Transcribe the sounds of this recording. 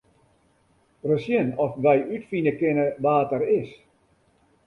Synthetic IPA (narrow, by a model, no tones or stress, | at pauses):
rəsjənɔfʋɛjʔytfinəkɪnəʋaːtəɾɪs